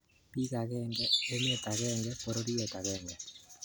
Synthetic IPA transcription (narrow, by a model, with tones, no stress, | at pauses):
pi˦ɣa˨ɣɛ˦ŋɡɛe˦me˦t̪a˨ɣɛ˦ŋɡɛpo˨ɾo˦ɾi˦ɛ˨t̪a˨ɣɛŋɡɛ˨